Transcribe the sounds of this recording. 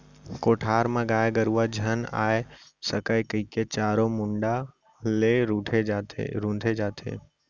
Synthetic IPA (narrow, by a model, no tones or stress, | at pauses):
koːʈʰaːɾmãɡaːjɡəɾuʋad͡ʒʱəna̰ːesəkajkəiket͡ʃaːɾomʊ̃ɳɖa | leɾuʈʰed͡ʒat̪ḛɾũnd̪ʱed͡ʒaːt̪ʰḛː